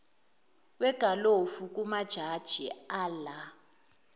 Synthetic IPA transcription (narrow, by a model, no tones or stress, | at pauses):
wɛɡ̥ʱalofuk̬ʼumad̥ʒ̥ʱad̥ʒ̥ʱiala